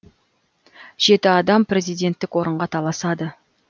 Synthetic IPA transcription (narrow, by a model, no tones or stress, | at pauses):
ʒ̥e̞t̪ɪɑd̪ɑmprʲe̞zijd̪ʲe̞nt̪ːɪkwo̞ɾəɴʁɑt̪ʰɑlˠɑsɑd̪ə